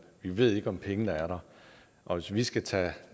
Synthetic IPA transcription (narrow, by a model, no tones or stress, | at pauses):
ʋiʋe̝ð̰ˠe̝ɡ̥ɒ̽mpʰeŋədɑæɐɾɑ | ʔɒ̽ʋe̝sʋisɡ̥æt͡sʰɛ̰